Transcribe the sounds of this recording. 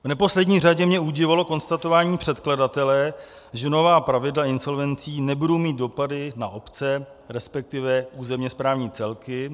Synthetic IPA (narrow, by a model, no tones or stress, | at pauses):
vnɛpo̞slɛdɲiːr̝aɟɛmɲɛuɟɪvalo̞ko̞nst̪at̪o̞vaːɲiːpr̝̥ɛt̪kladat̪ɛlɛ | ʒɛno̞vaːpɾavɪdlaɪnso̞lvɛnt͡siːnɛbudomiːt̪̚do̞padɪnaʔopt͡sɛ | ɾɛspɛk̚t̪ɪvɛʔuːzɛmɲɛspɾaːvɲiːt͡sɛlkɪ